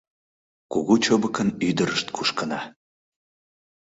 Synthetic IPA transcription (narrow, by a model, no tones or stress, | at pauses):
kuɣut͡ɕobəkənyd̪əɾəʃt̪kʰuʃkənɑ